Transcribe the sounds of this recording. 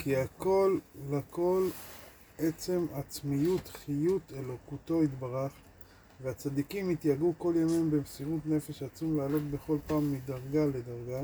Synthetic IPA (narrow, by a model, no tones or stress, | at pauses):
kiako̞lːako̞l | et͡se̞mat͡smijut̪χijut̪e̞lo̞kut̪o̞it̪baʁaχ | veat͡sad̪ikimit̪jaɡuko̞ljamimbemsiʁut̪ne̞fe̞ʃat͡sumlaːlo̞t̪̚be̞χo̞lpaːmːidaʁɡaled̪aʁɡa